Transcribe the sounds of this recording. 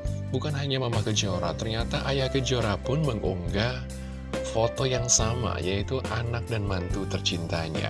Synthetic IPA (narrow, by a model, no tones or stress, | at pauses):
bukanɦaɲamamakəd͡ʒoɾa̰t̪ərɲat̪aʔajahkəd͡ʒoɾapʊnməŋʔuŋɡa | fot̪ɔjaŋsama̰jait̪uʔanak̚danmant̪ut̪ərt͡ʃint̪aɲa̰